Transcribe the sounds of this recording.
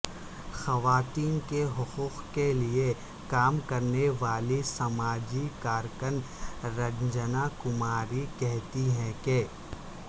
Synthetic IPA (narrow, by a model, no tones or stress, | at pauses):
xɐʋaːt̪iːnkeɦʊquːqkelie | kaːmkɐɾneʋaːlisɐmaːd͡ʒikaːɾkən | ɾɐɡd͡ʒənakʊmaːɾikɛɦt̪iɦɛ̃ke